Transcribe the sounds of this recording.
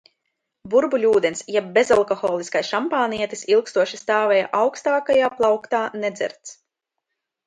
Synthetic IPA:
buɾbulʲuːd̪ɛnsjɛb̚ːezalˠkɔxɔːlˠiskajsʃampaːniɛt̪i̥silˠkst̪uɔʃist̪aːvɛja̰ʔawkst̪aːkajaːplˠɑwkt̪aːnɛd̪zɛ̰ɾt̪s

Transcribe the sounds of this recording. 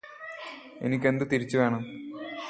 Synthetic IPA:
enikʲːe̞nd̪ɨt̪iɾit͡ɕːuʋeːɳɐm

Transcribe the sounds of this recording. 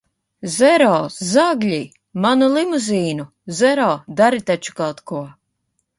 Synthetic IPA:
zɛɾɔːzaɡlʲi | manulˠimuzʲiːnu | zɛɾɔːd̪aɾit̪at͡ʃu̥kawt̪kuɔ

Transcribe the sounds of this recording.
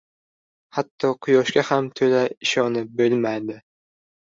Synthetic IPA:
hat̪ʰːɒqʰʊjɒʃkʲahamt̪ʰɵlaɪʃɒnɪbɵlmajd̪ɪ

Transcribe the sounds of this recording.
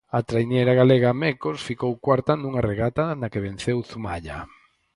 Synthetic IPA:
at̪ɾajnejɾaɣaleɣamɛkosfikowkwaɾt̪anuŋareɣat̪anakeβenθewθumaʎa̰

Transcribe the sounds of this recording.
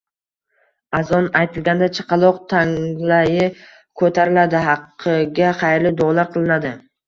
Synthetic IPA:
azɒnajt̪ʰɪlˠɡʲand̪at͡ʃʰɪ̥qʰɑlˠɒqt̪ʰaŋlajɪ | kʰɵt̪ʰaɾɪlad̪ɪɦɑqʰːɨɡʲaχɑjɾlɪd̪ɒlˠaɾqʰɨlˠɪnad̪ɪ

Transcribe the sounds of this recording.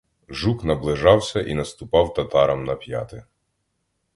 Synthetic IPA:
ʒuknɐblˠɪʒɑwsʲɐʔinɐst̪ʊpɑwt̪ɐt̪ɑɾɐmnɐpʲja̰t̪ɪ

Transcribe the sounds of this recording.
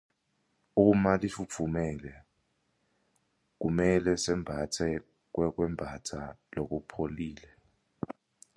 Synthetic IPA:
umalifup̪fʰumɛlɛ | k̬umɛlɛsɛmbʱatʰɛ | k̬wɛk̬wɛmbʱatʰalok̬upʰoliːlɛ

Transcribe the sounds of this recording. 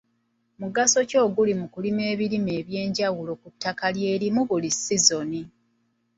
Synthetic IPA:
muɡaso̞co̞ːɡulimukulime̞ːβiɾime̞ːβje̞ːɲɟawulo̞kutːakalje̞ːlimuβulisizo̞ni

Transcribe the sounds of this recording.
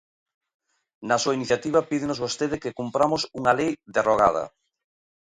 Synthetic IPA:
nasuainiθjat̪iβ̞ɐpiðenozβost̪eð̞ɪkekumpɾamosuŋalejd̪eroɣa̰ð̞ɐ̰

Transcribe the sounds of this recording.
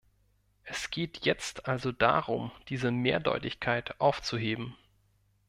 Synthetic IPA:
ʔɛsɡ̥eːtʰjɛt͡stʰʔalzod̥a̰ʁʊmd̥iːzəmeːɐdɔ̰ʏtɪçkʰaɪtʔaʊft͡suɦeːbm̩

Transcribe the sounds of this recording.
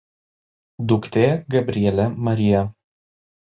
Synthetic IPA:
d̪ʊkt̪ʲeːɡɐbʲɾʲiɛlʲɛmɐɾʲɪjɛ

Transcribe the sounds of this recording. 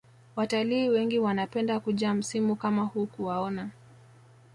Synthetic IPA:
wataliːwɛŋɡiwanapɛndakuʄaːm̩simukamahukuwaɔna

